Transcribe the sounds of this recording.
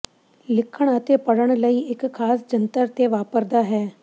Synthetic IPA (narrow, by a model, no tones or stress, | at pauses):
lɪkʰːəɳ̃ət̪eːpəɽəɳ̃ləiːɪkʰːaːsd͡ʒənt̪əɾt̪eːʋaːpəɾd̪aːɦɛː